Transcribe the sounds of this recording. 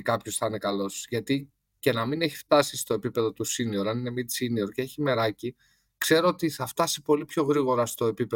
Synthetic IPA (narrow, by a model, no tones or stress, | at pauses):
kɐpço̞sθɐine̞kɐlo̞sʝɐt̪i | ce̞nɐmine̞çift̪ɐsist̪o̞e̞pipe̞ðo̞t̪usinio̞ɾɐnine̞mit͡sinio̞ɾceeçime̞ɾɐci | kse̞ɾoot̪iθɐft̪ɐsi̥po̞lipço̞ɣɾiɣo̞ɾɐst̪o̞e̞pipe